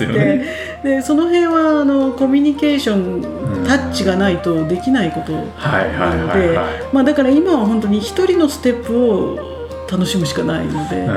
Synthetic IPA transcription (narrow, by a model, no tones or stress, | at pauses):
e | d̪e̞so̞no̞ɦẽ̞ɰ̃βaːno̞ko̞mʲiɲ̟ike̞ːɕõ̞n | t̪at͡ɕiɡanait̪o̞d̪e̞kʲinaiko̞t̪o̞ | na̰a̰no̞d̪e̞ | mad̪akaɾaimaβaɦõ̞nt̪o̞ɲ̟içi̥t̪o̞ɾʲino̞sɨ̥t̪e̞pːɯ̟o | t̪ano̞ɕimɯ̟ɕi̥kanaḭno̞d̪e̞̰